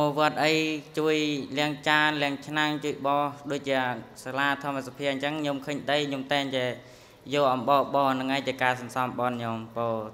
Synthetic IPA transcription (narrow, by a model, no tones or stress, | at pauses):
moːʋŏət̪̚ʔəjt͡ɕuəjlɛ̆əŋt͡ɕaːnlɛ̆əŋt͡ɕʰnaŋt͡ɕuəjɓɑːhɗoːc̚t͡ɕiəsalaːt̪ʰŏəməsapʰiəɲt͡ɕəŋɲomkʰəːɲɗəjɲomt̪aɛŋt͡ɕaɛ | jɔːʔɑmɓɑːɓɑːnɨŋʔajt͡ɕiəkaːsɑnsɑmɓɑnɲompɔː